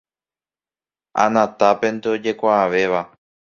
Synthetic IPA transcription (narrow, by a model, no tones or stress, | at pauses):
a̰nãt̪ape̞nt̪eod͡ʒe̞kʷaːʋe̞ʋa